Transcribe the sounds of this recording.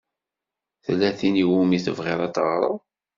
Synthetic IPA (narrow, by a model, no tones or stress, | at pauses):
θəlːæθiniwumiθəvʁɪɾˤɑt̪əʁɾˤə̰ðˤ